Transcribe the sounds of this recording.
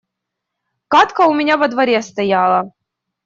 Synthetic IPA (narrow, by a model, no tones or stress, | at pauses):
kat̪kəʊmʲɪnʲavɐd̪vɐɾʲest̪ɐjalˠə